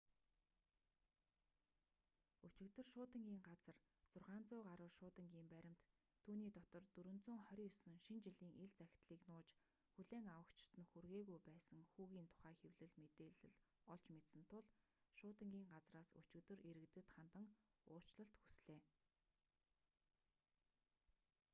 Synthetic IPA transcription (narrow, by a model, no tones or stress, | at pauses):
ɵt͡ɕɪ̆kt̪ɵ̆rʃʊːt̪ə̆ŋɡʲiːŋɢat͡sə̆r | t͡sʊrʁaːnt͡sʊːɢaɾʊːʃʊːt̪ə̆ŋɡʲiːmpæɾʲɪ̆m̥t̪ʰː | uːniːt̪ɔt̪ɞ̆rt̪ɵɾɵ̆nt͡suːŋχœɾʲiːsɵ̆ŋʃint͡ɕiɮiːŋʔeɮt͡sæxʲɪ̥̆t̪ɮiːknʊːt͡ɕ | xuɮeːŋawə̆kt͡ɕɪ̥̆t̪ɘ̆nxurɣeːɣujpæːsə̆ŋxuːɣiːnt̪ʰʊ̥χæːxewɮɘ̆ɮmet̪eːɮɘ̆ɮɔɮt͡ɕmet̪sə̆nt̪ʰʊɮʃʊːt̪ə̆ŋɡʲiːŋɢat͡sraːsɵ̰t͡ɕɪ̆kt̪ɵ̆rʔeɾɘ̆kt̪ɘ̆t̪χant̪ə̆ŋʊːt͡ɕɮə̆ɬt̪xu̥sɮeː